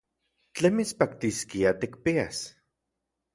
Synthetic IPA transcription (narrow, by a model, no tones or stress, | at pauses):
t͡ɬemit͡spakt̪iskiat̪ik̚pias